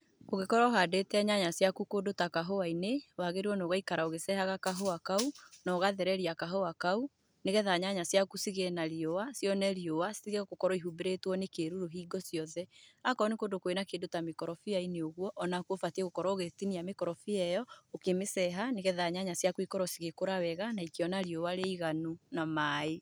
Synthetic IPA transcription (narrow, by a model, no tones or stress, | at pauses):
oɣekɔɾɔoɦadetɛɛɲaɲasjakukodotakaɦoainewaɣeɾiwɔnoɣaikaɾaoɣesɛhaɣakaɦoakaunɔɣaðɛɾɛɾiakaɦoakau | neɣɛðaɲaɲasjakusiɣenaɾiowasjɔnɛɾiowasiɣeɣokɔɾɔiɦubeɾetwɔnekeɾuɾoɦiːɡɔsjɔðɛakɔnekondokoenakeːndotamekɔɾɔfiaineoɣwɔʔːnakwofatieɣokɔɾɔoɣetiniamekɔɾɔfiɛjɔokemesɛɦaneɣɛðaɲaɲasjakoikɔɾɔsiɣekoɾawɛɣanaikeɔnaɾiowaɾeiɣanunamae